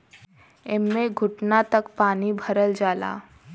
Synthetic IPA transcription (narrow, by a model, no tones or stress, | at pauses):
ɪmːẽɡʱʊʈnat̪ɐkpaːnibʱɐɾəld͡ʒaːla̰ː